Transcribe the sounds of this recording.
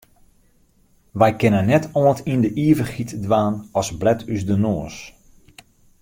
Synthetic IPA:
ʋɛjkɪnənːɛtʰɔəntindəʔiəvərxitdʋaːnɔsblɛtʰysdənoːəs

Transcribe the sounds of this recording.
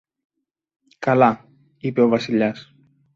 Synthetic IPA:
kala | ipewβasiʎas

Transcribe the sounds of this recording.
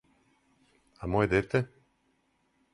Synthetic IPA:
amojed̪et̪ɛ

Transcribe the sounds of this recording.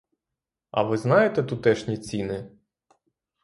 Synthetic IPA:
ɐ̰ʋɪznɑjet̪ɛt̪ʊt̪ɛʃnʲit͡sʲinɪ

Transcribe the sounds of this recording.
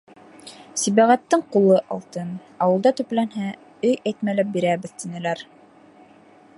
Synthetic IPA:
siβæʁæt̪ːɘɴqulˠɤʔɑlˠt̪ɤn | ɑwɤlˠd̪ɑt̪ɵ̆plænɦæ | ɵjæjt̪mælæp̚biɾæβɘðt̪inɘ̆læɾ

